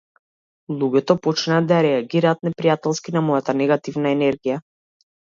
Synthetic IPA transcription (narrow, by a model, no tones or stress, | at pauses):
lˠuɡʲɛt̪ɔpɔt͡ʃnaːd̪ajaɾɛaɡiɾaːt̪̚nɛpɾijat̪ɛlˠskʲinamɔjat̪anɛɡat̪ivnaɛnɛɾɡʲija